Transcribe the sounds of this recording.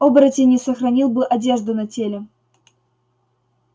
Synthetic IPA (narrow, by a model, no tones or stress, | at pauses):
obɾətʲɪnʲɪsəxɾɐnʲilˠbɨʔɐdʲe̞ʐd̪ʊnɐtʲelʲɪ